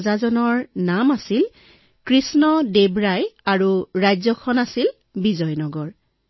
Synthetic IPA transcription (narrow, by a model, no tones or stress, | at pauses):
zazɔnɔɹnamasil | kɹisnɔdebɹajaɹuɹajzɔkʰɔnasil | bizɔjnɔɡɔɹ